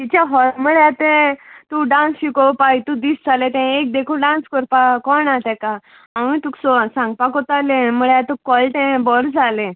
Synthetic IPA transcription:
t̪it͡ɕaɦɔɾmuɭjat̪ẽt̪ũɖãnsɕikɔpait̪ũd̪isd͡zʱalẽt̪ɛ̃ek̚d̪ekʰuɖãnskɔɾpakɔnat̪ɛ̃ka | ãĩt̪uksɔãsãŋɡ̚pakɔt̪alẽmuɭat̪ukɔlʈɛ̃bɔɾd͡zalẽ

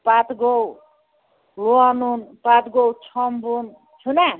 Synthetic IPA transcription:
pat̪ɡow | luanunpat̪ɡowt͡sʰʌmbun | t͡ʃʰuna

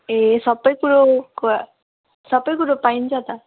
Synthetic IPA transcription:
esʌbːʌjkuɾok | sʌbʌjkuɾopaint͡sʰʌt̪a

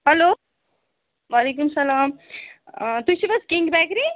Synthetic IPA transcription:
ɦɐloː | ʋalek̬umsɐlaːm | t̪usiʋɐskiŋɡbækɾi

